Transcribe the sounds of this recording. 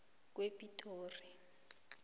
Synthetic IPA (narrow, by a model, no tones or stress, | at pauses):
kwepitʰʼoːri